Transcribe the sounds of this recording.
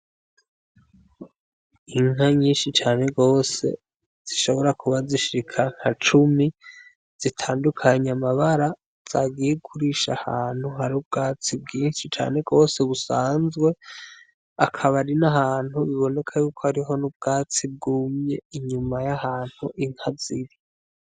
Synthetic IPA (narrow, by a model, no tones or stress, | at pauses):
iŋɦaɲiːnʃit͡ʃaːne̞ɡo̞ːse̞̰ | z̥iʃo̞βo̞ɾakuβaziʃikʰaŋ̥hat͡ʃumi | z̥itʰaːndukʰaɲamaβaɾa | z̥aːɡijeɡukʰuɾiʃa̰haːn̥huɦaɾub̚ɡaːt͡sib̚ɡiːnʃit͡ʃa̰ːne̞ɡo̞ːse̞βusaːnzɡwe̞ | akʰaβaɾinaɦaːn̥huβiβo̞ne̞kʰajuːkohaɾiɦo̞nub̚ɡaːt͡sib̚ɡuːmɲeiɲumajahaːn̥huʔiŋ̥haziɾi